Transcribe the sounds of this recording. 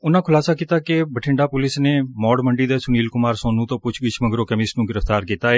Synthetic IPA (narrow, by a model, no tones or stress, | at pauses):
ʊnãːkʰʊlaːsaːkiːt̪aːkebəʈʰɪ̃ɳɖaːpʊlɪsneːmɔːɽməɳɖiːd̪eːsʊniːlkʊmaːɾsõːnũt̪õːpʊt͡ʃʰɡɪt͡ʃʰməɡɾoːkəmɪsnũːɡɪɾəft̪aːɾkiːt̪aːɦɛː